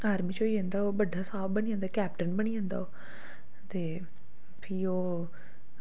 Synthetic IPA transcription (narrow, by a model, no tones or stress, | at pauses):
aːɾmiːt͡ʃoːiẽːnd̪aːoːbəɖʱaːsaːbbənĩːãːnd̪akɛːpʈənbəɽ̃iːə̃ːnd̪a̰ːoː | t̪eː | pʰiːoː